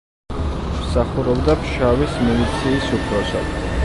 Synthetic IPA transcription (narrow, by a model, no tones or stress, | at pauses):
msaχuɾɔbd̪apʰʃavismilit̪sʰiːsupʰɾɔsa̰d̪